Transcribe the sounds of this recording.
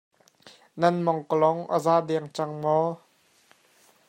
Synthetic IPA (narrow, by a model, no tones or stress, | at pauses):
nɐnmɔŋkəlɔŋʔə̰zaːʔdɛŋt͡saŋmɔ